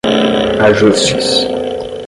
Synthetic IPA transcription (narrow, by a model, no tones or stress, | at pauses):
aʒosɥḭs